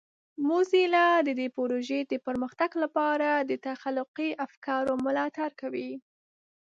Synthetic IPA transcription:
mozilad̪əd̪epoɾoʒed̪əpəɾməxt̪aɡlapɑɾad̪ət̪axalːʊqiʔafkɑɾomʊlɑt̪aɾkawi

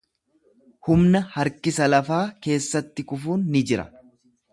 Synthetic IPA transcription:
hʊmnɐhɐɾkɪsɐlɐfaːke̞ːsːɐt̪ːɪkʊfuːnːɪd͡ʒɪɾɐ̰

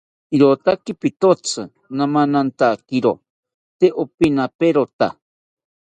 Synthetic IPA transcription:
iɾot̪akipit̪ot͡sʰɨ | namanant̪akiɾo | t̪eʔopinapeɾot̪a̰

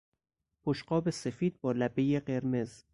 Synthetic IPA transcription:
pʰoʃɢɒːbe̞sefiːd̪̚bɒːlæbejeɢe̞ɾmez

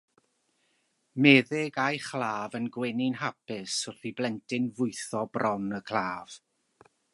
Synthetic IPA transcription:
mɛːðɪɡajχlˠaːvənɡwɛnɪnɦapɪsʊθiblɛntʰɪnvʊɨθɔbrɔnəkʰl̥ˠaːv̥

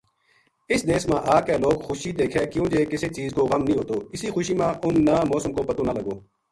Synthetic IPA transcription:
ɪsd̪eːsmãːʔaːkɛːloːɡxʊʃiːd̪eːkʰeːkɪjõːd͡ʒeːkɪseːt͡ʃiːzkoːɣəmnĩːɦoːt̪oːɪsiːxʊʃiːmãːʔʊnːaːmɔːsəmkoːpət̪oːnaːləɡoː

